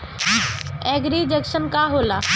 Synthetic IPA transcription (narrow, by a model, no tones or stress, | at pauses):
ɛːɡɾiːd͡ʑɛkʃənkaɦolaː